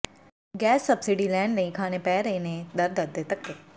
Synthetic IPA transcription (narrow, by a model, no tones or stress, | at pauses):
ɡɛːsːɐbsɪɖilɛ̃ːɳɖnɐĩkʰaːnepɛːɾɐenẽd̪ɐɾd̪ɐd̪et̪ɐkːe